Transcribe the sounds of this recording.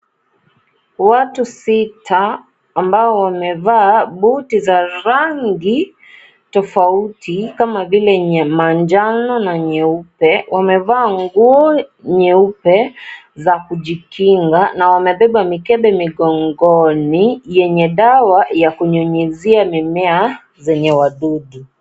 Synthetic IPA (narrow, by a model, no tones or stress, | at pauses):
watusitʰaː | mbaɔwamɛvaːɓutizaɾaŋɡi | tɔfautikamavilɛɲmaɲd͡ʒanɔnaɲɛupɛwamɛvaːŋɡuɔɲɛupɛ | zakuʄikiŋɡanawamɛɓɛɓamikɛɓɛmiɠɔŋɡɔnijɛɲɛɗawajakuɲɔɲɛziamimɛa | zɛɲɛwaɗuɗi